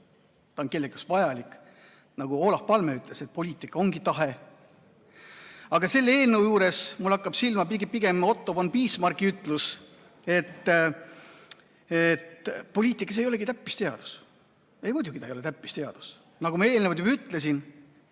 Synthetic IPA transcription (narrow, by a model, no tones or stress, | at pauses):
t̪ɑonke̞lːekjusvɑjɑlikˑ | nɑɡuo̞ːlɑhpɑlmeyt̪ˑleset̪̚po̞lʲiːt̪ˑikːˑɑo̞ŋɡit̪ɑɦe̞ | ɑɡ̥ɑse̞lːe̞ːlnewjuːɾesmulːɑkːɑb̥silmɑpiɡipiɡ̥e̞mo̞t̪ːˑo̞bonpiːsmɑrkiyt̪ːˑlus | e̞t̪ː | et̪po̞lʲiːt̪ːˑikːˑɑs̬e̞jole̞ɡit̪æpːist̪e̞ɑd̪̥u̥s | e̞jmud̪uɡ̥it̪ɑejole̞t̪æpːist̪e̞ɑ̰d̪̥u̥s | nɑɡumɑe̞ːlnevɑlt̪jub̥ɑyt̪ˑlesin